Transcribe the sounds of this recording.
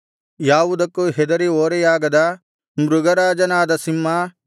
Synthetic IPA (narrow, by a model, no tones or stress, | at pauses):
jaːʋud̪ɐkːuɦɛd̪ɐɾioːɾɛjaːɡɐd̪ɐ | mɾuɡɐɾaːd͡ʒɐnaːd̪ɐsimːa